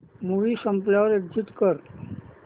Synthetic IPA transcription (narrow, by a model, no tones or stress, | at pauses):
muʋisəmplaʋɾed͡ʒit̪kəɾ